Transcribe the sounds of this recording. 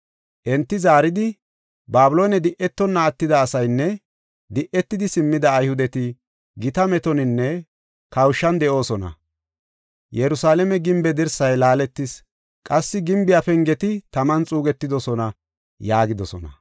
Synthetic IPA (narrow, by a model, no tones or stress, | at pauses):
ʔɛnt̪ːɪzaːɾɪd̪ɪ | baːbʊloːnɛd̪ɪʔɛt̪ːɔnːɐːt̪ːɪd̪ɐːsɐjnːɛ | d̪ɪʔɛt̪ːɪd̪ɪsɪmːɪd̪ɐːjhʊd̪ɛt̪ɪ | ɡɪt̪ɐmɛt̪ɔnɪnːɛ | kɐwʃːɐnd̪ɛʔo̞ːsɔnɐ̰ | jɛɾʊsaːlɛmɛɡɪmbɛd̪ɪɾsɐjlaːlɛt̪ːɪs | kʼɐsːɪɡɪmbɪjafɛŋɡɛt̪ɪt̪ɐmɐnt͡sʼuːɡɛt̪ːɪd̪ɔsɔnɐ | jaːɡɪd̪ɔsɔnɐ